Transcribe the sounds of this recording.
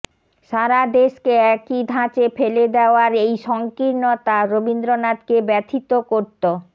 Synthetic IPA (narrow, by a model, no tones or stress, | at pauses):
ʃaɾad̪eʃkeɛkid̪ʱãt͡ɕefeled̪eoaɾejʃɔŋkiɾnot̪aɾobind̪ɾonat̪kebɛt̪ʰit̪okoɾt̪o